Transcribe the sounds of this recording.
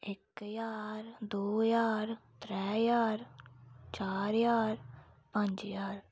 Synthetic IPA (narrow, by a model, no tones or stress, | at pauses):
ɪkjaːɾd̪oːjaːɾt̪ɾɛːjaːɾt͡ʃaːɾjaːɾ | pə̃ɲd͡ʒjaːɾ